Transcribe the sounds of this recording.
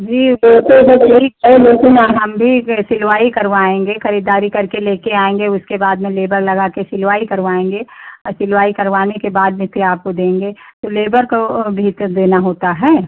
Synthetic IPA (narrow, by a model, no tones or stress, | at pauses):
d͡ʒiːoːt̪ebɐɐɦiɐeloːkɪnaɦɐmbʱisɪlʋaːikɐɾʋaːẽːŋɡexɐɾiːd̪aːɾikɐɾkeleːkeaːẽːŋɡeʊskebaːd̪mẽleːbəɾlɐɡaːkesɪlʋaːikɐɾʋaːẽːŋɡeɔsɪlʋaːikɐɾʋaːnekebaːd̪̚mẽt̪ʰiaːp̚kod̪ẽːŋɡeːt̪oleːbəɾkobʱiːt̪d̪eːnaɦoːt̪aɦɛː